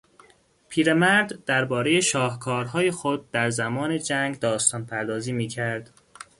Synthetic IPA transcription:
pʰiːɾe̞mæɾd̪d̪æɾbɒːɾe̞je̞ʃɒːhkʰɒːɾɦɒːje̞xod̪̚ːæɾzæmɒːne̞d͡ʒæŋɡd̪ɒːst̪ɒːnpʰæɾd̪ɒːziːmiːcʰæɾd̪̥

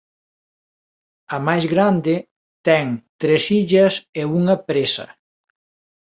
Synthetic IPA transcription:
ɐmajzɣɾand̪ɪ | t̪ɛŋt̪ɾesiʎɐseuŋɐpɾesɐ̰

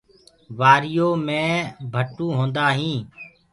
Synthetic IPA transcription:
ʋaːɾɪjoːmẽːbʱəʈːũːɦõːnd̪aːɦĩː

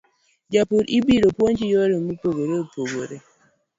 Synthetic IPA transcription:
d͡ʒapuɾibiɾopwoɲt͡ʃijɔɾimupoɡoɾeopoɡoɾe

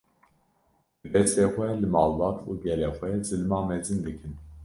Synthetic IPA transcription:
bɨbɛst̪eːxʷɛlɨmɑːlbɑːt̪ṵːɡɛleːxʷɛzɨlmɑːmɛzɨnd̪ɨkʰɨn

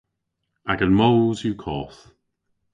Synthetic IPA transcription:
aɡənmowzjukʰɔːθ

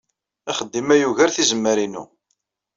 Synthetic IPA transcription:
æχəd̪ːimæjuʝəɾθizəmːəɾinṵ

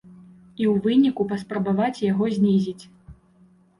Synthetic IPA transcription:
iwvɨnʲikupɐspɾɐbavat͡sʲjaɣɔzʲnʲizʲit͡sʲ

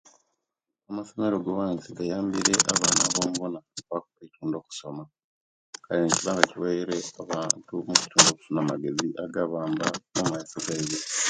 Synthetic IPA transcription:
amaso̞me̞ɾo̞ɡowaːnsiɡajaːmbiɾe̞ʔaβaːnaβo̞ːmuβonaβakoetuːndo̞ːku̥so̞ma | kaɾinciβaːŋɡaciwejiɾeaβaːntumuci̥tuːndo̞ku̥funamaɡe̞ziʔaɡaβaːmbamumaisoɡaize

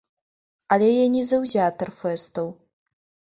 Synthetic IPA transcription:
ɐlʲɛjɛnʲizɐwzʲat̪ɐrfɛst̪ɐw

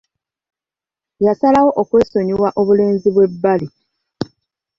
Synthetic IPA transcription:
jasalawo̞ʔokwe̞ːso̞ɲiwaʔo̞βule̞ːnziβwe̞bːali

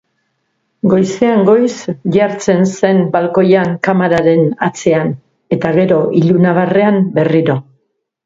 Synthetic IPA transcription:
ɡo̞jse̞aŋɡo̞jsʝaɾt͡se̞nse̞nbalko̞jaŋkamaɾaɾe̞nat͡se̞an | e̞t̪aɣ̞e̞ɾo̞ʔiʎunaβare̞ambe̞riɾo̞

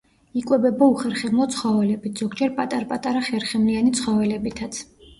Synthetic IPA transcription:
ikʼwɛbɛbauχɛɾχɛmɔt̪sʰχɔvɛlɛbit̪ʰz̥ɔɡd͡ʒɛɾpʼat̪ʼaɾpʼat̪ʼaɾaχɛɾχɛmlianit̪sʰχɔvɛlɛbit̪ʰat̪sʰ

